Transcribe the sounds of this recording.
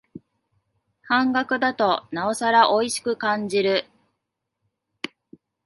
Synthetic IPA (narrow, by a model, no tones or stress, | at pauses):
hãŋɡakɯ̟d̪at̪o̞nao̞saɾaʔo̞iɕi̥kɯ̟kãɲ̟d͡ʑiɾɯ̟